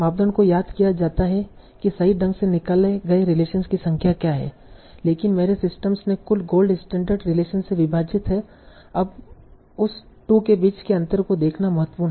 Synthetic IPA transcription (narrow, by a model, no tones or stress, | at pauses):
maːb̚d̪ənkojaːd̪kijad͡ʒaːt̪aɦɛ | kisɐiɖɐ̃ŋɡsenɪkaːlẽɡɐeɾɪleːʃənskisɐ̃ŋkʰjakjaɦɛ̰ː | leːkɪnmeːɾesɪsʈəmsnẽkʊlɡoːlɖɪsʈẽːɳɖəɾɖɾɪleːʃənseʋɪbʱaːd͡ʒɪt̪ɦɛ | ɐb | ʊs | ʈuːkebiːt͡ʃkeɐ̃nt̪əɾkod̪eːkʰnamɐɦət̪ːəpuːɾnɦɛ